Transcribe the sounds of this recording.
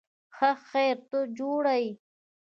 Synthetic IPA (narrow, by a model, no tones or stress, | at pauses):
xaxejɾt̪od͡ʒoɽai